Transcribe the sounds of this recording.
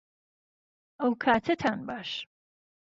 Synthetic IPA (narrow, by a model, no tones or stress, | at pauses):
ʔɐwkʰaːt̪ʰɐt̪ʰaːnbaːʃ